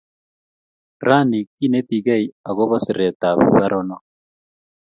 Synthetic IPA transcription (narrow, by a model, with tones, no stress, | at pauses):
ɾa˦ni˨ki˦ne˦t̪i˨ɣa˦i˨a˨ɣo˦βa˦si˨ɾɛ˨t̪a˨β̰βa˦ɾɔ˦nɔ˦